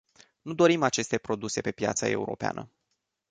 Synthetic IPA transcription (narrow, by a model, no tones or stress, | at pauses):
nud̪o̞ɾimat͡ʃe̞st̪e̞pɾo̞d̪use̞pe̞pja̰t̪sə̰e̞̰uɾo̞̰pea̰nə̰